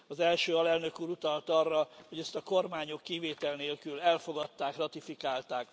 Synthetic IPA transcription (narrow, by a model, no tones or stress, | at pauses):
ɒzɛlʃøːɒlɛlnø̞kuːɾut̪ɒlt̪ɒrːɒhoɟɛst̪ɒko̞rmaːɲo̞kːiveːt̪ɛlneːlkylɛlfo̞ɡɒt̪ːaːkrɒt̪ifikaːlt̪aːk